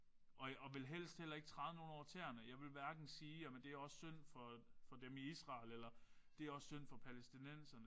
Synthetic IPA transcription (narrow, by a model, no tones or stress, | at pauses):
ʔɒ̽ɒ̽ʋe̝lɦel̰sd̥hel̰ɐe̝ɡ̥̚t͡sʰʁɑ̈ðˠəno̝ːn̩ɒt͡sʰeɐnəjɑ̈ɪʋe̝lʋæɐɡ̥n̩siːæmnd̥e̝æɐɒ̽sːøn̰fɒ̽fɒ̽d̥emiisʁɑ̈lelɐ | d̥e̝æɐɒ̽ssøn̰fɒ̽pʰælesd̥inen̰sɐnə